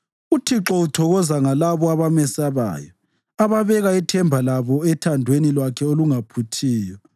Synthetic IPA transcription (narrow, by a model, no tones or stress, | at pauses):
utʰiǁɔutʰɔɣɔzaŋalaβɔaβamɛsaβa̰ːjɔ̰ | aβaβɛɣaɛtʰɛmbʱalaβɔɛtʰandʱwenilwakʰɛoluŋapʰutʰiːjɔ